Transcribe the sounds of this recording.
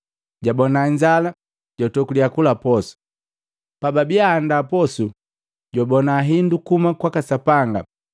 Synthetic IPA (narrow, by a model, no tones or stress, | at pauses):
ɟabɔnaɲd͡ʒala | ɟ̥ɔtɔkuliakulapɔsu̥ | pababiaːndapɔsu | ɟɔbɔnaɦindukumakwakasapaŋɡa̰